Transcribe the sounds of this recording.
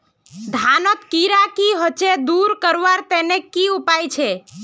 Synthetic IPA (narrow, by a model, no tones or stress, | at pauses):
d̪ʱanɔt̪kiɾakiɦot͡ʃed̪uɾkəɾʋaɾt̪ɛnekːiupajt͡ʃʰɛ